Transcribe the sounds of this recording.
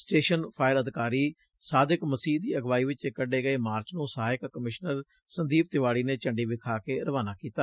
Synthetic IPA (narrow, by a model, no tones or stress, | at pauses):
sʈeːʃənpʰaːɪɾəd̪ɪkaːɾiː | saːd̪ɪkməsiːɦd̪iːəɡʋaːiːʋɪt͡ʃekəɖeːɡəeːmaːɾt͡ʃnũːsaːɪkkəmɪʃnəɾ | sənd̪iːp̚t̪ɪʋaːɽiːneːt͡ʃəɳɖiːbɪkʰaːkeːɾəʋaːnaːkiːt̪aː